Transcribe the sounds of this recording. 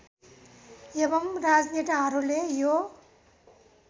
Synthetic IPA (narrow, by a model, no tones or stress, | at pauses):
ebʌmrad͡znit̪iɦʌɾulejo